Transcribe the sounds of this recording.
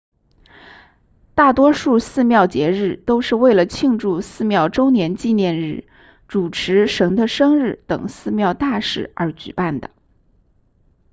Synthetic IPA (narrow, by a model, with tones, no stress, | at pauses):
t̪a˥˩t̪wɔ˥ʂu˥˧sɹ̩˥˧mjɑ˥˩ʊt͡ɕjɛ˧˥ɻɻ̩˥˩t̪o˥ʊʂɻ̩˥˧we˥˩ɪlə˩t͡ɕʰi˥˧ŋʈ͡ʂu˥˧sɹ̩˥˧mjɑ˥˩ʊʈ͡ʂo˥ʊnjɛ˧˥nt͡ɕi˥˧njɛ˥˧nɻɻ̩˥˩ | ʈ͡ʂu˨˩ʈ͡ʂʰɻ̩˧˥ʂə˧˥ŋd̪ə˧ʂɤ˥ŋɻɻ̩˥˩t̪ɤ̰˨˩ŋsɹ̩˥˧mjɑ˥˧ʊt̪a˥˩ʂɻ̩˨˩ə˞˧˥t͡ɕy̰˨˩pa˥˩nd̪ə̰˩